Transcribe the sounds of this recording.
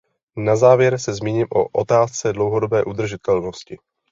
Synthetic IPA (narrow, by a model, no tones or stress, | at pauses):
nazaːvjɛɾsɛzmiːɲiːmʔoʔot̪aːst͡sɛdlo̞wɦodo̞bɛːʔud̪r̩ʒɪt̪ɛlno̞scɪ